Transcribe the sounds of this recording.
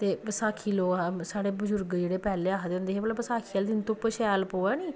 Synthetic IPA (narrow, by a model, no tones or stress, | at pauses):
t̪eːpəsaːkʰiːloːɡsaːɽeːbəzʊɾɡd͡ʒeːɽeːpɛːleːaːɦd̪eːʊ̃nd̪eːɦeːmələbəsaːkʰiːald̪ɪnt̪ʊpəʃɛːlpoːɛːniː